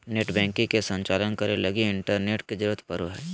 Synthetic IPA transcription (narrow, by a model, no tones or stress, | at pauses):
neːʈbɛ̃ːŋkĩkesə̃ɲt͡ʃaːlənkɐɾelɐɡiɪɳʈəɾneːʈked͡ʒɾt̪ʰpɐɾoɦɛː